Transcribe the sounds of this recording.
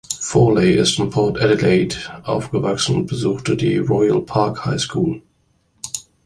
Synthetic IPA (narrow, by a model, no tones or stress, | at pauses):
fɔːleɪʔɪstɪmpʰɔɐtɛdəleɪtʔaʊfɡ̥əvaksn̩ʊnt̚b̥əzuːxtədiʁɔɪə̰lpʰaɐkhaɪskʰuːl